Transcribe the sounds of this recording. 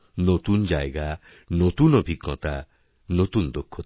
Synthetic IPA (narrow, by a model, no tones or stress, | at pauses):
not̪und͡ʒaeɡa | not̪unɔbʱikːɔt̪a | not̪und̪okʰːɔt̪